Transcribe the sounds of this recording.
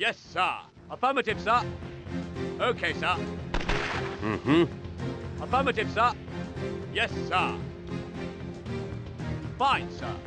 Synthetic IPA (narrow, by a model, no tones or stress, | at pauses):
jɛsə̰ | əfɜmətɪv̥sə | oʊkʰeɪsə | m̩m̥m̩ | əfɜmətɪv̥sə | jɛsə | fãɪ̃nsʌ̰